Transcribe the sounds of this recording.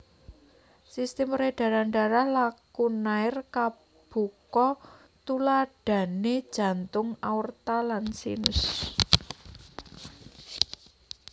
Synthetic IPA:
sist̪ɪmreɖ̥a̤ɾaɳɖaɾahlakunaɪrka | b̥ṳkɔ | t̪ulaɖ̥a̤ned̥ʒ̥ä̤nt̪ʊŋaurt̪alansḭnʊ̰s

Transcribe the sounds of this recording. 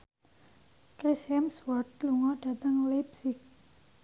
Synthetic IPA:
kɾisɛmswɔt̪̚luŋɔɖ̥a̤t̪əŋlibsɪk̚

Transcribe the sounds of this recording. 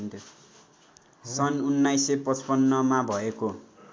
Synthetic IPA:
nt̪ʰo | sʌnunːajsepʌt͡spʌnːʌmabʱʌeko

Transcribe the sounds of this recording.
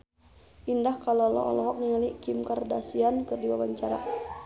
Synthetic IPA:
ʔindahkalolɔ̰ɔ̰lɔɦɔk̚ŋialikimkardasiankərdiwabaɲt͡ʃaɾa̰

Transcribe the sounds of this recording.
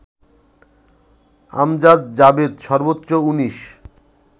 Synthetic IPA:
a̰md͡ʑad̪̚d͡ʑabed̪ʃɔɾbot̪ːɾouniʃ

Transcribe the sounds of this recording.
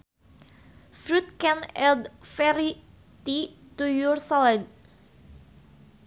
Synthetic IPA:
fɾut̪̚kɛnɛld̪fɛɾi | t̪it̪ujursɔlɛd̚

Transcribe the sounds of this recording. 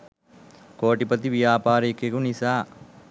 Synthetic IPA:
koːʈipɐt̪iʋijaːpaːɾekekunisaː

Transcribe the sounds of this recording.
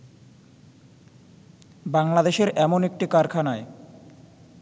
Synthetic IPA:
baŋlad̪eʃeɾɛmonek̚ʈikaɾkʰanae

